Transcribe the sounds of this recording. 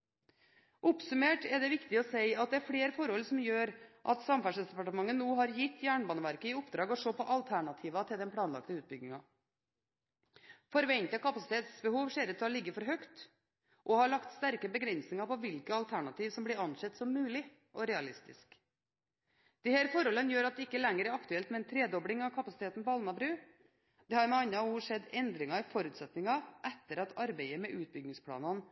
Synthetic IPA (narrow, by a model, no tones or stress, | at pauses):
ʔʊpsʉmeːʈɛɖ̪ɛʋɪkt̪ɪɔsæɪɑt̪̚d̪ɛæɾfɽeːɾfɔɾhɔlsɔmjøːɾʔɑ̰t̪sɑmfæʂəsd̪ɛpɑʈəmɑŋːənuːɦɑɾjɪt̪ːjæːɳbɑːnəʋæɾkəɪʊpd̪ɾɑːɡɔʂoːpʰɔʔɑlt̪ʰæɳɑt̪ʰiːʋɑt̪ʰɪld̪ɛnpʰlɑːnlɑ̰kt̪əʉːt̪̚bʏɡnɪŋɑ | fɔɾʋɛɲt̪əkɑpɑsɪ̥t̪ʰeːt̪sbəhuːʋʂeːɾət̪ʰɑlɪɡːəfɔɾɦœkt̪ | ʔɔhɑɭɑkt̪st̪æɾkəbəɡɾɛnsnɪŋɑpɔʋɪlkəɑlt̪ʰæɳɑt̪iːʋsɔmbliɾɑnʂɛt̪ːsɔmːʉːlɪ | ʔɔɾɛɑlɪst̪ɪ̰sk | d̪̥ɛhæːɾfɔɾɔlːənjøːɾɑt̪̚d̪ɛɪkːəlɛŋːəɾæɾɑkt̪ʉɛlt̪mɛnt̪ʰɾeːd̪ɔbɽɪŋɑʋkʰɑpɑsɪt̪eːt̪n̩pɔɑlnɑbɾʉː | d̪̥ɛːhɑɾmɛɑnːɑuːʂɛd̪ɛnd̪ɾɪŋɑɪfɔɾʉːt̪sɛt̪nɪŋɑʔɛt̪ːəɾɑt̪ɑɾbɛɪəmɛʔʉːt̪̚bʏɡ̪ɪŋspʰɽɑ̰ːnɑn